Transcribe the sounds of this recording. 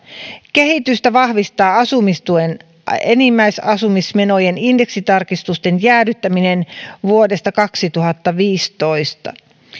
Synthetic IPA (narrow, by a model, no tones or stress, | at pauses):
ke̞hit̪yst̪æʋɑhʋist̪ɑːɑsumist̪uen | enimːæijsɑsumisme̞nojeninde̞ksit̪ɑrkist̪ust̪e̞njæːdyt̪ːæminenʋuode̞st̪ɑkɑksit̪uɦɑt̪ːɑʋiːst̪o̞ist̪ɑ̰